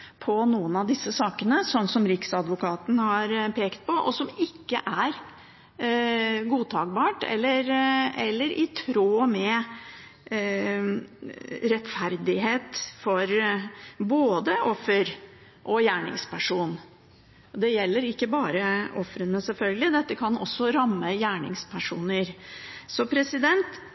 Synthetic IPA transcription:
pʰɔnuːənɑʋd̪ɪsːəsɑːkənəsɔnːsɔmɾɪksɑd̪ʋʊkɑːt̪n̩hɑɾpʰeːkt̪̚pʰɔʔɔ̰sɔmɪkːəʔæɾ | ɡuːt̪ʰɑːɡ̚bɑːʈɛ̰lːəɾɛ̰lːəɾʔɪt̪ʰɾoːmɛ | ɾɛt̪fæɾd̪ɪɦeːt̪fɔɾ | boːd̪əʔɔfːəɾ | ʔɔjæːɳɪ̰ŋspæʂuːn | ɔd̪ɛjɛlːəɾɪkːəbɑːɾəɔfɾənəsɛlfœlɡəlɪd̪ɛt̪ːəkʰɑnɔsːɔɾɑmːəjæːɳɪ̰ŋspʰæʂuːnəɾsɔpʰɾɛsɪd̪ɛnt̪

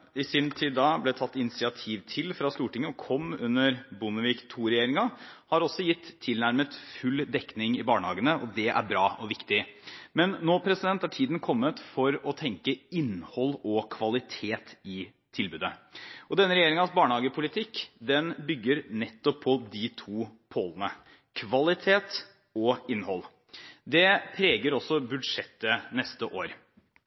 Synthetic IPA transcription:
ɪsɪnt̪ʰid̪ɑblɛt̪ʰɑt̪ːɪnɪsɪɑt̪ʰiːʋt̪ʰɪlfɾɑst̪uːʈɪŋːəɔkʰɔmːʉnːəɾbʊnəʋiːkt̪ʰuːɾɛjeːɾɪŋɑhɑɾɔsɔjɪt̪ʰːɪlnæɾmət̪fʉlːd̪ɛkːnɪŋɪbɑːɳəhɑ̰ːɡənəʔɔd̪ɛʔæ̰ɾbɾɑːʔɔʋɪkt̪ɪmɛnːoːpʰɾɛsɪd̪ɛnt̪ːæʈʰiːd̪n̩kʰɔmːət̪fɔɾɔt̪ʰɛŋkəɪnhɔlːɔkʰʋɑlɪt̪ʰeːt̪ɪ | t̪ʰɪlbʉːd̪əɔd̪ɛnːəɾɛjeːɾɪŋɑnsbɑːɳəhɑːɡəpʰʊlɪt̪ʰɪkːd̪ɛnbʏɡːəɾnɛt̪ːɔpʰːɔd̪ɪt̪ʰuːpʰoːlənə | kʰʋɑlɪt̪ʰeːt̪ | ɔɪnːhɔlː | d̪ɛpʰɾeːɡəɾɔsːɔbʉd̪ʂɛt̪ːənɛst̪əʔoːɾ

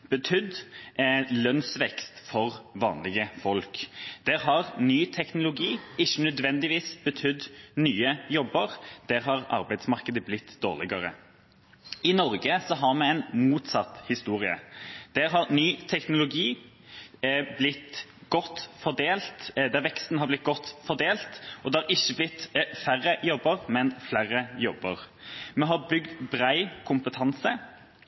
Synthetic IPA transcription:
b̥ət̪ʰʏd̪ | lœnsʋɛkst̪fɔʁʋɑ̰ːnlɪɡəfɔlkd̪̥ɛɾɦɑʁnyːt̪ʰɛknʊlʊɡiːɪçːənœd̪ʋɛnd̪ɪʋiːsb̥ət̪ʰʏd̪nyːəjɔbəʁd̪̥ɛʁɦɑʁɑ̰ɾbæɪd̪smɑʁkəd̪əblɪt̪ʰːd̪o̰ːʁlɪɡəɾə̰ | ɪnɔɾɡəsɔɦɑʁmɛɛɪnmuːt̪sɑt̪hɪst̪uːʁɪə̰d̪̥æɾɦɑʁnyːt̪ʰɛknʊlʊɡiː | blɪt̪ɡ̥ɔt̪ːfɔʁd̪eːlt̪d̪ɛʋɛkst̪n̩hɑʁblɪt̪̚ɡɔt̪ːfɔd̪eːlt̪ʔɔd̪ɛɑɾɪçːəblɪt̪fæʁːəjɔbːəʁmɛnflæʁəjɔbəʁ | mɛɦɑbʏɡd̪bɾæɪkʰʊmpət̪ʰɑnsə

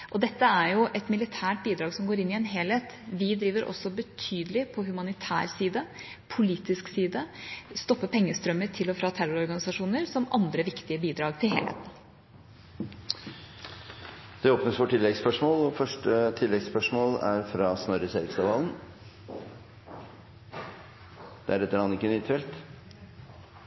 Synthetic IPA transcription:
ʔɔd̪ɛt̪ːəæɾjʊʔɛt̪mɪlɪt̪ʰæːʈ̚biːd̪ɾɑːɡsɔmɡoːɾɪnːɪɛnɦeːleːt̪ʋɪd̪ɾiːʋəɾʔɔ̰sɔbət̪ʰyːd̪əlɪpʰɔɦʉmɑnɪt̪ʰæ̰ːɾsiːd̪ə | pʰʊliːt̪ɪsksiːd̪əst̪ɔpːəpʰɛŋːəst̪ɾœmːəɾt̪ʰɪlɔfɾɑːt̪ʰæɾʊɾɔɾɡɑnɪsɑʂuːnəɾsɔmɑnd̪ɾəʋɪkt̪ɪəbiːd̪ɾɑːɡt̪ʰɪlɦḛːlhḛːt̪n̩ | d̪̥ɛoːpnəsfɔʈʰɪlːɛɡspœʂmoːlɔfœʂʈət̪ʰɪlːɛɡspœʂmoːlæ̰ɾfɾɑːsnɔɾəseɾkst̪ɑʋɑːln̩ | d̪̥ɛæɾɛt̪ːəɾɑːnɪkːənyt̪ʰɛlt̪

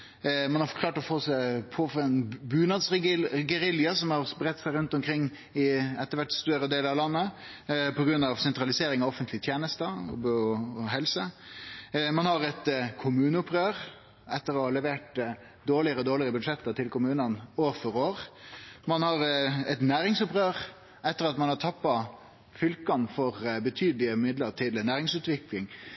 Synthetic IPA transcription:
mɑnhɑfkʰlɑːʈɔfoːsæɪpʰoːfɔɛnbʉːnɑd̪sɡɛɾɪljɑsɔmhɑɾsbɾɛt̪ːsæɪɾʉnt̪ɔmkʰɾɪŋː | ɪɛt̪ːəɾʋæʈːst̪œɾəd̪eːləɾɑʋlɑnːə | pʰɔɡɾʉnːɑʋsɛnt̪ɾɑlɪseːɾɪŋɑʋɔfənt̪lɪət̪ʰjeːnəst̪əɔ̰ɔɔɦɛlsə | mɑnhɑɾɛt̪kʰʊmʉːnəʊpɾøːɾ | ɛt̪ːəɾɔɑlɛʋeːʈ | d̪oːɭɪəɾəɔd̪oːɭɪəɾəbʉd̪ʂɛt̪ːəɾt̪ɪlkʊmʉːnənoːɾfɔɾoːɾmɑnhɑɾɛt̪næːɾɪŋsʊpɾøːɾ | ɛt̪ːəɾɑt̪mɑnhɑʈ̪ʰɑpːɑ | fʏlkɑnfɔʁbət̪ʰyːd̪lɪəmɪd̪ləɾt̪ʰɪlnæːɾɪŋsʉːt̪ʋɪklɪŋ

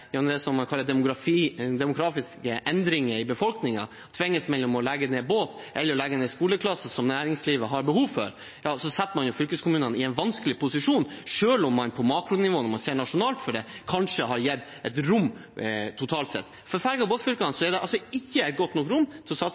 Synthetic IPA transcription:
jɛnɔmd̪ɛsɔmːɑkʰɑlːəd̪ɛmʊɡɾɑfid̪ɛmʊɡɾɑːfɪskəʔɛnd̪ɾɪŋəɾɪbəfɔlknɪŋɑ | t̪ʰʋɪŋːəsmɛlːɔmɔlɛɡːəneːboːt̪ | ʔɛlːəɾɔlɛɡːəneːskuːləkʰlɑsəsɔmnæːɾɪŋsliːʋəɦɑɾbəhuːʋfɔ̰ɾ | jɑːsɔsɛt̪ːəmɑnjʊfʏlkəskʰʊmʉːnənɪɛɪnʋɑnskəlɪpʰʊsɪʂuːnʂøːlɔmːɑnpʰɔmɑːkɾʊnɪʋoːnɔmɑnseːɳɑʂʊnɑːlt̪fɔɖɛkʰɑnʂəɦɑɾjɛd̪ | ɛt̪ɾʊmːt̪ʰːʊt̪ʰɑːlt̪sɛ̰t̪ː | fɔɾfæɾɡɑboːt̪fʏlkɑnsɔɛɖɛʔɑlsɔɪçːəɛɪt̪̚ɡɔt̪ːnɔkɾʊmːt̪ʰɪlsɑ

